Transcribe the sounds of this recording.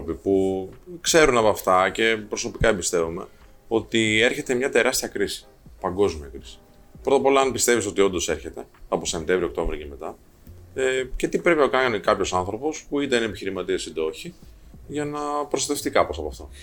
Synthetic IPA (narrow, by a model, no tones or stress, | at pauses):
opipukse̞ɾunɐpɐft̪ɐce̞pɾo̞so̞pikɐebist̪e̞vume̞̰ | o̞t̪ie̞ɾçe̞t̪e̞mɲɐt̪e̞ɾɐst̪iɐkɾisi̥ | pɐŋɡo̞zmiɐkɾisi̥ | pɾo̞t̪ɐpo̞lɐɐnpist̪e̞vis̬o̞t̪io̞nd̪o̞seɾçe̞t̪e̞ɐposemt̪evɾio̞k̚t̪o̞vɾioceme̞t̪ɐ | ce̞t̪ipɾe̞pinɐkɐnikɐpço̞sɐnθɾo̞po̞spuit̪ɐinepiçiɾimɐt̪iɐst̪ind̪oçi | ʝɐnɐpɾost̪ɐt̪e̞ft̪ikɐposɐpːft̪ɐ